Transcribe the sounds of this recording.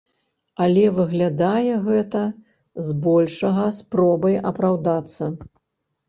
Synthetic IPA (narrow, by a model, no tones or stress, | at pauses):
alʲɛvɨɣlʲad̪ajɛɣɛt̪ɐ | zbɔlʲʂɐɣɐspɾɔbɐjɐpɾawd̪at̪sːɐ